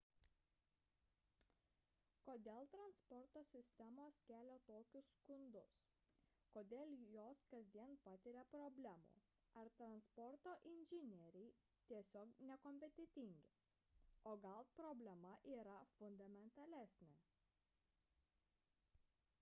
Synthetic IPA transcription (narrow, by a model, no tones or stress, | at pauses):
koːd̪ʲeːlˠt̪ɾɐnspɔɾt̪oːsʲɪsʲt̪ʲɛmoːskʲæːlʲoːt̪oːkʲʊsːkʊnd̪ʊs | koːd̪ʲeːlʲˠjoːskɐzʲd̪ʲiɛnpɐt̪ʲɪɾʲɛpɾɔbʲlʲæmṵː | ɐɾt̪ɾɐnspɔɾt̪oːʔɪnʲʒʲɪnʲɛɾʲɛɪ | t̪ʲiɛsʲoːknʲɛkɔmʲpʲɛt̪ʲɛt̪ʲɪŋʲɡʲɪ | oːɡɐlˠpɾɔbʲlʲɛmɐʔiːɾɐfʊnd̪ɐmʲɛnt̪ɐlʲɛsʲnʲɛ